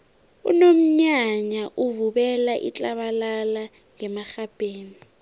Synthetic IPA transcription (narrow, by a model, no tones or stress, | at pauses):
ṵnom̩ɲaɲaʔuvuɓɛlaʔḭt͡ɬʼaɓalala | ŋɛmaxab̥ʱeːni